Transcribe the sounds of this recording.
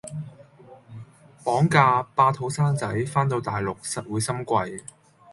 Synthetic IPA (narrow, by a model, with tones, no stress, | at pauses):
pɔː˨˥ŋkaː˧paː˧t̪ʰo˨˥wsaː˥nt͡sɐ˨˥jfaː˥nt̪o˧wt̪aː˨˩jlʊ˨k̚sɐ˨t̚wuː˨˧jsɐ˥mkʷɐ˧j